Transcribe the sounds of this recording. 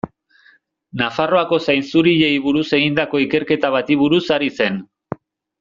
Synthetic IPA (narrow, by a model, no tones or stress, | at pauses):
nafaro̞ako̞sajnsuɾiʎe̞jβuɾuse̞ɣind̪ako̞ike̞ɾke̞t̪aβ̞at̪iβ̞uɾusaɾise̞n